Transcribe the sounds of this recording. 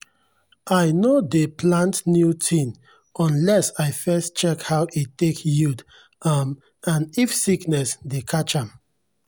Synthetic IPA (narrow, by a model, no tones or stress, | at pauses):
aɪnodeplãntnjutʰĩn | ɔ̃nlɛsaɪfɛstt͡ʃɛkhawʔitekjud | ʌm | ãnifsiknɛsdekʰat͡ʃãm